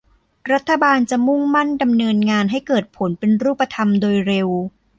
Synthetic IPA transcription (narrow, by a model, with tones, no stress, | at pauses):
ɾa˦˥t̪ʰːa˧baː˧nt͡ɕa˨˩ʔmu˥˩ŋma˥˩nda˧mnɤː˧nŋaː˧nɦa˥˩jkɤː˨˩t̪̚pʰo˩˦npe˧nɾuː˥˩pːa˧t̪ʰa˧mdoː˧jɾe˧w